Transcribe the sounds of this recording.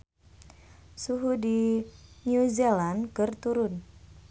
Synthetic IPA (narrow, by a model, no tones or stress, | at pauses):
suɦudinjuzelankɨrt̪uɾʊn